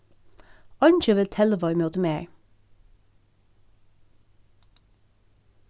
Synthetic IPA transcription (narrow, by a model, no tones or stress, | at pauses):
ɑnt͡ʃəʋɪlt̪ʰɛləʋɑʏmøːt̪əmeːɹ